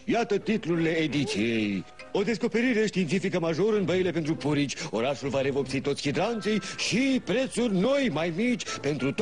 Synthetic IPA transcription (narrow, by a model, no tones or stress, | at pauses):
jat̪ət̪it̪luɾile̞ːd̪it̪sijee̞j | o̞d̪e̞s̬ko̞pe̞ɾiɾe̞ʃt̪iːnifikəmaʒo̞ɾəɨnbəjile̞pent̪ɾupuɾit͡ʃʲo̞ɾaʃulvaɾe̞vo̞p̚tsit̪o̞t̪sʲçid̪ɾant̪sijʃipɾe̞t̪surʲno̞jmajmit͡ʃʲpe̞nt̪ɾut̪